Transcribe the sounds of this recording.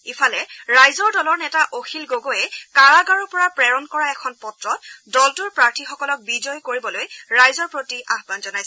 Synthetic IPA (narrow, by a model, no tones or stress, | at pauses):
ifʰalɛɹajzɔɹdɔlɔɹnɛtaʔoxʰilɡoɡojɛkaɹaɡaɹɔpɔɹapɹɛɹɔnkɔɹaɛkʰɔnpɔtɹɔtdɔltʊɹpɹaɹtʰixɔkɔlɔk̚bizɔjkoɹibɔlojɹajzɔɹpɹotiʔaɦbanzɔnajsɛ